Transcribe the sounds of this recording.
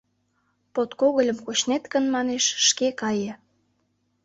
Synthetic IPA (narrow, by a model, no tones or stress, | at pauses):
pot̪koɣəlʲə̆mkot͡ɕnet̪kə̆nmɑneʃʃkekɑjĕ